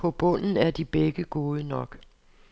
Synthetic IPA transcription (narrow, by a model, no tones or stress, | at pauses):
pʰɒ̽b̥ɔ̽n̰n̩æɐd̥ib̥eɡ̥əɡ̥o̝ːðˠənɒ̽ɡ̥